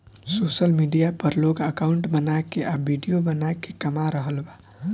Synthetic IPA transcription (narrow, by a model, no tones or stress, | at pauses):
sosəlmiɖijapəɾloɡəkaʊɳʈbənakeʔabbiɖijobənakekəmaɾəɦəlba